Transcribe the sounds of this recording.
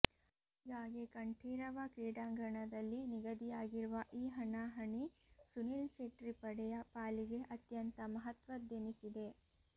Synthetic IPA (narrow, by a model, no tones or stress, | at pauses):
ɡaːɡekɐɳʈʰiːɾɐʋɐkiːɽaːŋɡɐɳɐd̪ɐlːiniɡɐd̪ijaːɡiɾuʋɐʔiːɦɐɳaːɦɐɳisunilt͡ʃeʈɾipɐɽɛjɐpaːliɡe̞ʔɐt̪jɐnt̪ɐmɐɦɐt̪ʋɐd̪jɐnisid̪e̞